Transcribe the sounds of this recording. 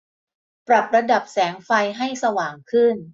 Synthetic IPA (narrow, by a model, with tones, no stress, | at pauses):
pɾa˨˩p̚ɾa˧da˨˩p̚sɛː˩˦ŋfa˧jɦa˥˩jsa˧waː˨˩ŋkʰɯ˥˩n